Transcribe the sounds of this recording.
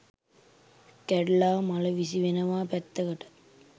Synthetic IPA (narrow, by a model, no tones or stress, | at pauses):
kæɖlaːmɐlɐʋisiʋenɐʋaːpɛt̪ːɐɡɐʈɐ̥